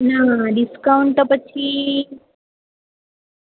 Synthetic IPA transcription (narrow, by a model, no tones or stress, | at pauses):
naɖiskauɳʈt̪ɔpət͡ɕʰi